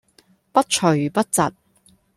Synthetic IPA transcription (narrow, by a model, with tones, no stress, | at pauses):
pɐ˥t̚t͡ʃʰɵ˨˩pɐ˥t̚t͡sɐ˨t̚